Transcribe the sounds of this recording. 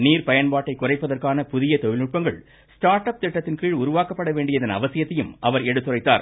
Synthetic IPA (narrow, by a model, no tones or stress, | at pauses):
niːɾpɐjɐnpaːʈːɐɪkːʊrɐɪpːɐðɐrkaːnɐpʊðɪjɐt̪ɔjɪlʊʈ̚pɐŋɡɐɭ | sʈaːɾʈɐp̚t̪ɪʈːɐt̪ːɪnkiːɻʊɾʊʋaːkɐpːɐɽɐʋeːɳɖɪjɐðɐnɐ̰ʋɐsɪjɐt̪ːɐjɯmʔɐʋɐɾɛɽɯt̪ːɯrɐɪt̪ːa̰ːɾ